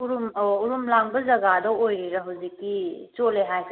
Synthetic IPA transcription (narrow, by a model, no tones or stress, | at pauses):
uɾumuɾumlaŋbɐzɐɡadɐojɾiɾɐɦuwzikːit͡ʃoleɦajkʰ